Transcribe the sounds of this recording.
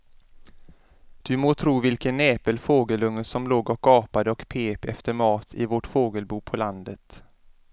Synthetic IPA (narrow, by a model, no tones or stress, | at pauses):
d̪̥ɵmoːt̪ʰɾuːvɪlkənːɛːpəlfoːɡəlɵŋːəsɔmloːɡɔkːɑːpad̪əɔkpʰeːpɛ̰ft̪əɾmɑːt̪ʰɪ̰voʈfoːɡəlbuːpʰɔland̪ət̪